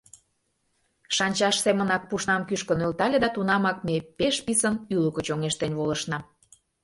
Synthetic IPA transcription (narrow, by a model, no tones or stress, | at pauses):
ʃɑnʲt͡ɕɑʃsemə̆nɑk̚puʃnɑmkyʃkənølt̪ɑlʲed̪ɑt̪unɑmɑk̚mepeʃpisənyləkət͡ɕoŋeʃt̪enβolə̆ʃnɑ